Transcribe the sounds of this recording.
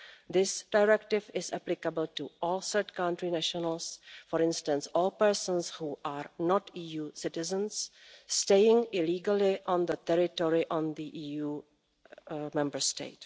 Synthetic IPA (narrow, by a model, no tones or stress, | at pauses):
d̪ɪsd̥aɪɾɛk̚ʈɪvɪzæplɪkəbəltuɔːlsəɾt͡ʃkãʊ̃ntɾinæʃənəlsfɔɾɪ̃nsʈə̃nsɔːlpəɾsə̃nshuːʔaɾnɔtiːjuːsɪtɪzə̃nssteɪɪ̃ŋɪliːɡəliʔɔ̃nd̪ət̪ɛɾɪʈɔɹiʔɔ̃nd̪iʔiːjuː | mɛ̃mbəɾstḛɪt